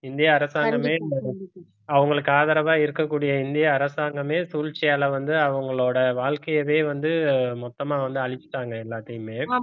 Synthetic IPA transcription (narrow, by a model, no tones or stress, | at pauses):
ɪnd̪ɪjaːɾɐsaːɡɐmeː | ɐʋɐŋɡɐɭɯkːɯaːðɐɾɐʋaːɪɾɯkːɐkːuːɽɪjɐɪnd̪ɪjɐːɾɐsaːŋɡɐmeːsuːlt͡ʃːɪjaːlɐʋɐnd̪ɯɐʋɐŋɡɐɭoːɽɐʋaːɭkɐjɐʋeːʋɐnd̪ɯmɔt̪ːɐmaːʋɐnd̪ɯɐɭɪt͡ʃːɪ̥ʈːaːŋɡɐɛlːaːt̪ːɐjɯmeː